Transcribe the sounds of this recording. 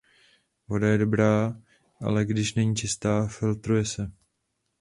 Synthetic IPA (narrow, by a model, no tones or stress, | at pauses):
vo̞dajɛdo̞bɾaː | ʔa̰lɛɡdɪʃnɛɲiːt͡ʃɪst̪aːfɪlt̪ɾujɛsɛ